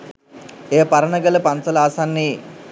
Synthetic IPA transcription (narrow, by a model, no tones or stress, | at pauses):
eːpaɾənəɡələpansəlaːsanːiː